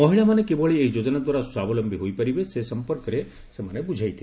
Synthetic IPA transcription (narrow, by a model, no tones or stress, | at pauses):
mɔɦiɭamanekebɔɭieid͡ʒod͡ʒɔnad̪waɾaswabɔlɔmbʱiɦojpəɾibesesəmpəɾkɾe | semanebud͡ʒʱajt̪ʰi